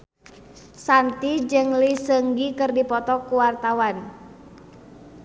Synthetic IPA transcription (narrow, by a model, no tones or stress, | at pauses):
sant̪id͡ʒɨŋlisəŋɡikɨrdipɔt̪ɔkuwart̪awan